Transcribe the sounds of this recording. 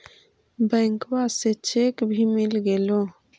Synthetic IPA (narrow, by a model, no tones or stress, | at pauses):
bɛ̃ŋkwaset͡ʃʰekbʱimɪlɡelo